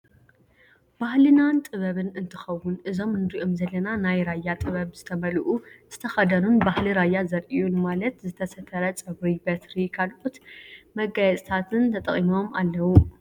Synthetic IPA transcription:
b̥ahlɨnant̪ʼɨβɐβɨnɨnt̪ʰɨxɐwːʊnʔɨzo̞mnɨɾiʔomzɐlːɐnanajɾajːat̪ʼɨβɐβzɨt̪ʰɐmɐlʔuz̥ɨt̪ʰɐxɐd̪ɐnunbahliɾajːazɐɾʔijunmalɐt̪zɨt̪ʰɐsɐt̪ʰːɐɾɐt͡sʼɐβɾibɐt̪ɾikʰalʔʼut̪mɐɡajɛt͡sʼt̪ʰat̪ʰɨnt̪ʰɐt̪ʼɐχʼimo̞malːɐwu

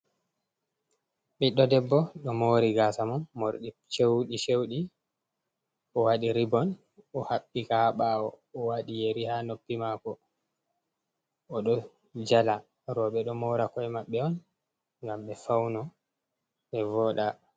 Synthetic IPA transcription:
ɓiɗɔdɛbːɔɗɔmoːɾiɡaːsamɔnmoɾɗit͡ʃewɗit͡ʃewɗi | ɔwaɗiɾibɔn | ɔhaɓːikaɓaɔ | ɔwaɗijeɾihanopːimakɔ | ɔɗɔ | d͡ʒala | ɾɔɓɛɗɔmɔːɾakɔɛmaɓːɛɔn | ŋɡamɓɛfawnɔ | ɓɛvɔːɗa

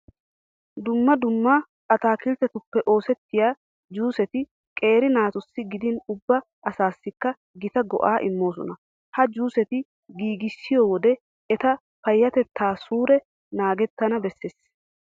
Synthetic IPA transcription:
d̪ʊmːɐd̪ʊmːa | kɐt̪aːkɪlt̪ɛt̪ʊpːɛʔo̞ːsɛt̪ːɪjaː | d͡ʒuːsɛt̪ɪ | kʼe̞ːɾɪnaːt̪ʊsːɪɡɪd̪ɪnʊbːɐ | ɐsaːsːɪkːɐ | ɡɪt̪ɐɡɔ̰ʔaːʔɪmːo̞ːs̬ɔ̰nɐ | hɐd͡ʒuːsɛt̪ɪ | ɡiːɡɪsːɪjoːwɔd̪ɛ | ɛt̪ɐ | fɐjːɐt̪ɛt̪ːaːsuːɾɛ | naːɡɛt̪ːɐnɐbɛsːeːs

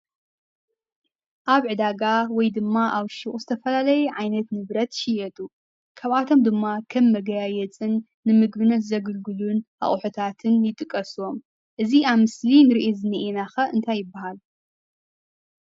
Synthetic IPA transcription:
ʔaβʕɨd̪aɡawɔjd̪ɨmːaʔaβʃɪχʼuzɨt̪ʰɐfɐlalɐjɛʕajnɐt̪nɨβɾɐt̪ʃɪjɛt̪ʼu | kʰɐβat̪ʰo̞md̪ɨmːakʰɐmːɐɡɐajɛt͡sʼɨnː | ɨmɨɡbɨnɐt̪zɐɡɨlɡɨluna̰χʼħut̪ʰat̪ʰɨnjɪt̪ʼɨkʼːɐsom | ʔɨziaβmɨslinɨɾiʔezɨnːɨʔenaxɐʔɨnt̪ʰajːɪbːaɦal

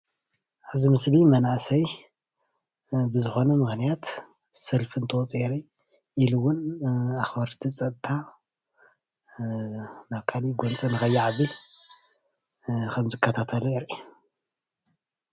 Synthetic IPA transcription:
ʕazimɨslimɐnaʔsɐj | bɨzɨxo̞nɐmɨxnijat̪ | sɐlfɨnt̪ʰot͡sʼeɾi | iluwːʊnaxbɐɾt̪ʰit͡sʼɐt̪t̪ʰa | naβkʰaliɡʷont͡sʼɨnɨxɐjːaʕaβi | kʰɐmzɨkʰːɐt̪ʰat̪ʰɐluiɾ

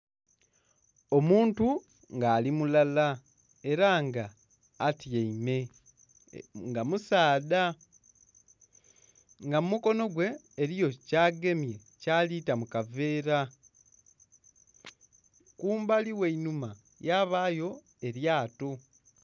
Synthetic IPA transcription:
o̞muːntu | ŋɡaːlimulala | e̞ɾaŋɡaː | tijeime̞ | ŋɡamusaːda | ŋɡamumuko̞no̞ɡwe̞ː | ɾijo̞caːɡe̞mje̞ | caːlitamukave̞ːɾa | kuːmbaliwe̞inuma | jaːβaːjo̞ | e̞ɾjaːto̞

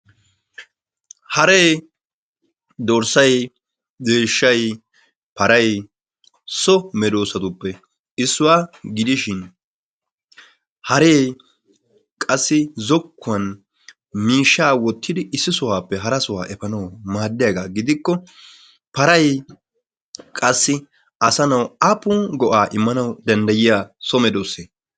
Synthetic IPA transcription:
hɐɾe̞ː | d̪ɔɾsɐj | zeːʃːɐj | pɐɾɐj | sɔmɛd̪o̞ːsɐt̪ʊpːɛ | ɪsːʊwaːɡɪd̪ɪʃɪn | hɐɾeː | kʼɐsːɪzɔkːʊɐn | miːʃːaːwɔt̪ʰːɪd̪ɪʔɪsːɪsʊwaːpːɛɦɐɾɐsʊwa̰ːʔɛfɐnɐwmaːd̪ːɪjaɡaːɡɪd̪ɪkːɔ | pɐɾɐj | kʼɐsːɪ | ɐsɐnɐwapuːɡɔʔaːʔɪmːɐnɐwd̪ɐnd̪ɐjɪjaːsɔmɛd̪oːseː

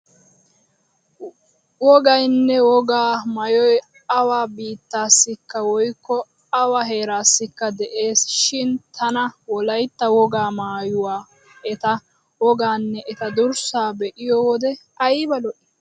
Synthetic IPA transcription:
wɔɡɐjnːɛwɔɡaːmɐjɔj | ɐwaːbiːt̪ːaːsːɪkːɐwɔjkːɔ | ɐwaɦe̞ːɾaːsːɪkːɐd̪ɛʔe̞ːsʃɪnt̪ʰɐnɐwɔlɐjt̪ːɐwɔɡaːmaːjʊwaː | ɛt̪ɐ | wɔɡaːnːɛʔɛt̪ɐd̪ʊɾsaːbɛʔɪjɔwɔd̪ɛ | ɐjbɐlɔʔɪ

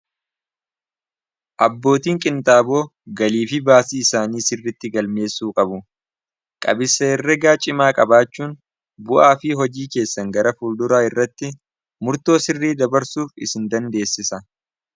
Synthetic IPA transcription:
ʔɐbːo̞ːt̪iːŋkʼɪnt̪ʼaːbo̞ːɡɐliːfɪbaːsiːɪsaːniːsɪrːɪt̪ːɪɡɐlme̞ːsuːkʼɐbʊ | kʼɐ̰bɪsɐɛrːɛɡaːt͡ʃʼɪmaːkʼɐbaːt͡ʃːuːn | bʊʔaːfɪɦɔd͡ʒiːke̞ːsːɐŋɡɐɾɐfuld̪ʊɾaːɪrːɐt̪ːɪ | mʊɾt̪o̞ːsɪrːiːd̪ɐbɐɾsuːfɪ̰sɪnd̪ɐnd̪e̞ːsːɪsɐ

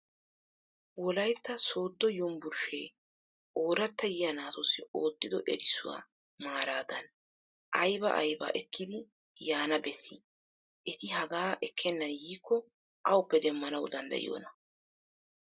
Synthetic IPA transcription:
wɔlɐjt̪ːɐso̞ːd̪ːɔjʊmbʊɾʃeː | ʔoːɾɐt̪ːɐjɪjɐnaːsɔsɪoːt̪ːɪd̪ɔʔɛɾɪsʊwa̰ː | maːɾaːd̪ɐn | ʔɐjbɐ̰ʔɐ̰jba̰ːʔɛkːɪd̪ɪ | jaːnɐbɛsːɪ | ʔɛt̪ɪhɐɡaːʔɛkʰːɛnːɐnjiːkːɔ | ʔɐwʊpːɛd̪ɛmːɐnɐwd̪ɐnd̪ɐ̰ʔɪ̰jo̰ːnɐ

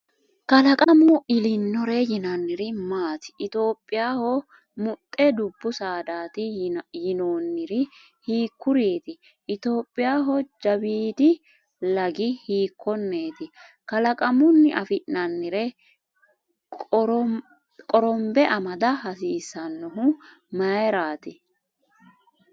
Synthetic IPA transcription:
kɐlɐkʼɐmʊʔɪlɪnːɔɾɛjɪnɐnːɪɾɪmaːt̪ɪ̥ɪt̪o̞ːpʼːɪjaːhɔ | mʊt̪ʼːɛd̪ʊbːʊsaːd̪aːt̪ɪjɪnoːnːɪɾɪ | hiːkːʊɾeːt̪ɪ | ʔɪt̪o̞ːpʼːɪjaːɦɔd͡ʒɐbiːd̪ɪ | lɐɡɪhiːkʰːɔnːe̞ːt̪ɪ | kɐlɐkʼɐmʊnːɪʔɐfɪʔnɐnːɪɾɛ | kʼɔɾɔmbɛʔɐmɐd̪ɐhɐsiːsːɐnːɔɦʊ | mɐjɛɾaːt̪ɪ

